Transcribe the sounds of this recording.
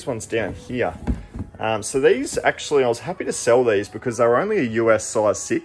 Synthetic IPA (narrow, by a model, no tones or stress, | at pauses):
zwʌ̃nzdãʊ̃nhiɹʔʌ̃msoʊðizæ̰k̚t͡ʃul̩ˠiaɪwʌz̥hæpiɾɨsɛlˠðizbɨkʰʌzðə˞ə˞õʊ̃nliɨjʉɛsaɪz̥sɪ